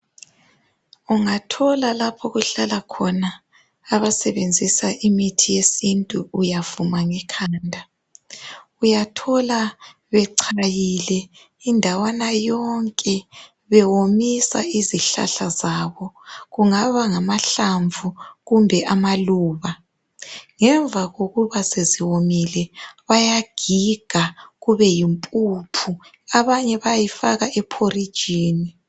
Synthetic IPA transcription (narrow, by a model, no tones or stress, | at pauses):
uŋatʰɔlalapʰɔɣuɬalakʰɔnaː | βasɛβend͡zʱisaʔimitʰijesintʼuːjavumaŋɛkʰaːndʱa | ujatʰɔla | βɛǀʰajilɛ | indʱawanajɔŋkʼɛ | βɛwomisa̰iziɬa̰ɬazaβɔɣuŋaβaŋamaɬaɱvʱuɣumbʱɛʔamaluːβa | ŋɛɱvʱaɣoɣuβaseziwomilɛβajaɡ̥ʱiɡ̥ʱaɣuβɛjimpʼupʰu | aβaɲɛβajifaɣaʔɛpʰorid̥ʒ̥ʱiːni